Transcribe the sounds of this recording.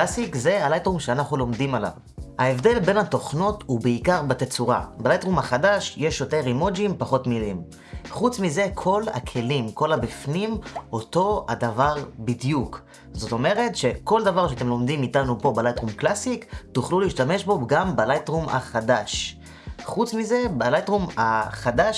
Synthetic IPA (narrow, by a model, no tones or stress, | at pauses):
asikze̞alajtʁumʃeanaχnulo̞mdimala̰v | haevde̞lbe̞nhatoχno̞tubeikaʁbet̪et͡suʁa̰belajtʁumhaχadaʃje̞ʃjoteʁimod͡ʒimpaχo̞tmilim | χut͡smize̞kʰo̞la̰kʰe̞limko̞labifnimo̞to̞adavaʁbidjuk | zo̞to̞me̞ʁe̞tʃe̞ko̞ldavaʁʃeate̞mlo̞md̪imitanupo̞balajtʁumklasiktuχluliːʃtame̞ʃbo̞ɡambalajtʁuma̰χadaʃ | χut͡smize̞balajtʁumaχadaʃ